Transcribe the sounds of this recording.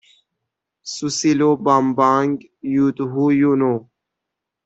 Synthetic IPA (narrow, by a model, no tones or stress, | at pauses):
susiloːbaːmbaːŋɡ | jut̪ɦujunoː